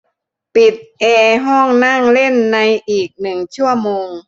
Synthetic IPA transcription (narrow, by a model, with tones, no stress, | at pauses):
pi˨˩t̪̚ʔɛː˧ɦɔː˥˩ŋna˥˩ŋle˥˨nːa˧jʔiː˨˩k̚nɯ˨˩ŋt͡ɕʰu˥˩ɐmoː˧ŋ